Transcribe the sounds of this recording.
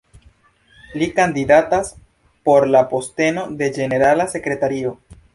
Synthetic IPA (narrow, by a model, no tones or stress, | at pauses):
likandidatas | po̞ɾlapo̞ste̞no̞de̞d͡ʒe̞ne̞ɾalase̞kɾe̞taɾio̞